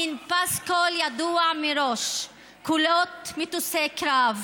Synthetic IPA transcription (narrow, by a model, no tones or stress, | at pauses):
inpaskoljad̪uaʕmiɾoʃ | kulot̪mit̪usekɾaːv